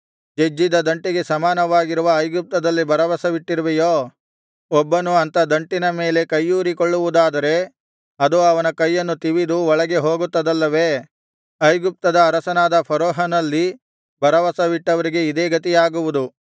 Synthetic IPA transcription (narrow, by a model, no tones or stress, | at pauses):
d͡ʒed͡ʒːid̪ɐd̪ɐɳʈiɡe̞sɐmaːnɐʋaːɡiɾuʋɐːjɡup̚t̪ɐd̪ɐlːibʱɐɾɐʋɐsɐʋiʈːiɾɐʋejoː | ɔbːɐnuɐnt̪ɐd̪ɐɳʈinɐme̞ːle̞kɐjːuːɾikoɭːuʋud̪aːd̪ɐɾe̞ | ɐd̪uɐʋɐnɐkɐjːɐnːut̪iʋid̪uɔɭɐɡe̞ɦo̞ːɡut̪ːɐd̪ɐlːɐʋe̞ː | ɐjɡup̚t̪ɐd̪ɐːɾɐsɐnaːd̪ɐpʰɐɾoːɦɐnɐlːi | bʱɐɾɐʋɐsɐʋiʈːɐʋɐɾiɡe̞id̪eːɡɐt̪̬ijaːɡuʋud̪u